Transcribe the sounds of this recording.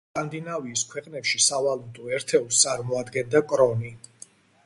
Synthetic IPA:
kʼand̪inaviːskʰwɛqʼnɛpʃisavalˠut̪ʼɔɛɾt̪ʰɛust̪sʼaɾmɔad̪ɡɛnd̪akʼɾɔni

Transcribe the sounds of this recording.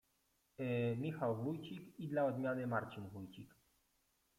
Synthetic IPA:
mʲixawvujt͡ɕikid̪laɔd̪mʲjanɘmaɾt͡ɕinvujt͡ɕik

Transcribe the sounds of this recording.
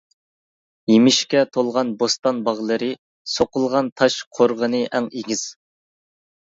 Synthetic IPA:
jemɪʃkʲɛt̪ʰolˠʁɑnbost̪ɑnbɑʁlˠɨɾɨ | soqəlˠʁɑnt̪ʰɑʃqʰoɾʁənɨʔɛŋeɡʲiz̥

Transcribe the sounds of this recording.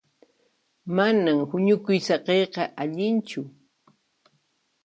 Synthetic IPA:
manamhʊɲʊkʊjsɑqejqɑʔaʎɪnt͡ʃʊ

